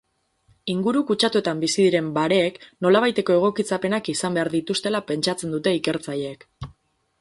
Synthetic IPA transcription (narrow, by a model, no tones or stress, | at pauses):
iŋɡuɾukut͡ʃat̪ue̞t̪ambisiðiɾe̞mbaɾe̞ːkno̞laβ̞ajt̪e̞ko̞e̞ɣ̞o̞kit͡sape̞nakisambe̞aɾðit̪ust̪e̞lape̞nt͡ʃat͡se̞nd̪ut̪e̞ike̞ɾt͡saʎe̞ːk